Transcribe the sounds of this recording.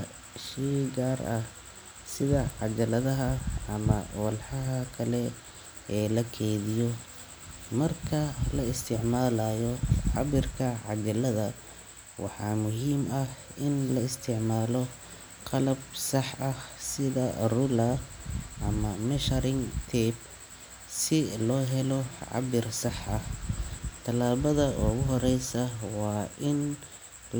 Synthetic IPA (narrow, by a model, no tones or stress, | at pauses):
ʃiːɡaːrɐh | sɪðɐʕɑd͡ʒɐlɐðɐɦɐɐmɐ̰wɐlħɑɦɐkʰɐlɛ | ɛːlɐkʰɛːðɪjɔ | mɐrkʰɐlɐɪst̪ʰɪʕmaːlaːjɔʕɑ̰βɪrkʰɐʕɑd͡ʒɐlɐðɐ | wʔɑ̰ħɑːmʊɦiːmɐhʔɪnlɐɪst̪ʰɪʕmaːlɔ | qɑlɐb̚sɑħɐhsɪðɐrʊlɐʔɐmɐmɛʃɐɾɪŋt̪ʰɛb | sɪlɔːɦɛlɔʕɑ̰bɪrsɑħʔɐh | t̪ʰɐlaːβɐðɐɔɣʊɦɔɾɛjsɐwɑːʔɪn